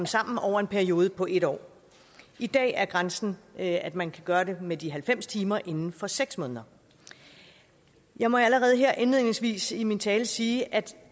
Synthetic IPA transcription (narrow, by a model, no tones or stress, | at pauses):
msɑ̈m̰n̩ɒʊ̰ɐe̝npʰæɐio̝ːð̞ˠəpʰɒ̽ʔe̝ɾɒ̰ː | id̥ɛ̰ːæɐɡ̥ʁansn̩æd̥mænkʰæɡ̥ɶːɐde̝med̥iɦælfem̰st͡sʰiːmɐʔe̝nn̩fɒ̽seɡ̥smɔ̽ːnðˠɐ | jɑ̈ɪmɒ̽æləʁɛːð̞̩ˠɦeɐ̰ʔenliðˠne̝ŋsʋḭːsimint͡sʰɛːləsiːʔæd̥